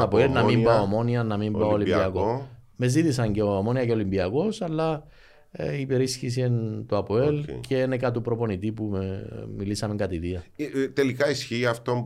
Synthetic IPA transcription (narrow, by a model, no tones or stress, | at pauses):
ɐpoelnɐmimbaomo̞niɐnɐmimbaoolibiɐkome̞zit̪isɐɲceomo̞niɐce̞o̞limbiɐko̞sɐlːɐ | ipeɾisçis̬ient̪oapoelcʰeenekɐt̪upɾo̞po̞nit̪ipumemilisɐmeŋkɐt̪iðiɐt̪elikaisçiːɐft̪om